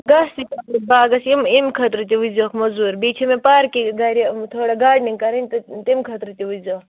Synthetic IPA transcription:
ɡɐssikɐɾɐbaːɡɐsimimkʰɐt̪ɾɨt̪iwuzoːkʰmɐzuːɾbiːt͡ʃʰimepaːɾkiɡɐɾʲit̪ʰoːɽɐɡaːɽniŋkɐɾɐnʲt̪ɐt̪imkʰɐt̪ɾɨt̪ʲiʋuzok

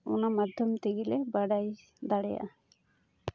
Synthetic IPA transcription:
ɔ̰namad̪ʱjɔmt̪ʰeɡilɛbaɖaj | d̪aɽɛja̰ʔ

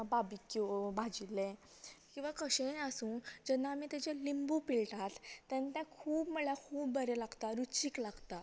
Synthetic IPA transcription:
babikːibʱad͡ʑilɛ̃ | kĩw̃ʋakəɕenasũːnd͡zənːaːmiːt̪at͡ɕelimbupiɭʈat̪ːanit̪jãkʰuːbməɭakʰuːbbəɾelaɡt̪aɾut͡ɕiːklaɡt̪a

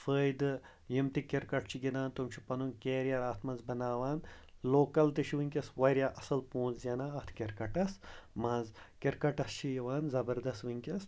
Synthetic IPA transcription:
fəːjd̪ɨ | jimt̪ikʲeɾkɐʈt͡ʃʰiɡʲinaːnt̪omt͡ʃʰipɐnunkʲeːɾijɐɾaːt̪ʰmɐnzbɐnaːʋaːnloːkɐlt̪iʃiʋɨŋʲkʲɐsʋɐɾjaːʔɐsɐlpõːnzzʲjɐnaːt̪ʰkʲeɾkɐʈɐsmɐnzkʲeɾkɐʈɐst͡ʃʰijɐʋaːnzɐbɐɾd̪ɐst̪ʋɨnʲkʲɐs

